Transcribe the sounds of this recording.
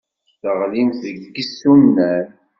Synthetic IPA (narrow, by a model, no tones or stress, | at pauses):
θəʁlimθəɡɡəsːunːæɾ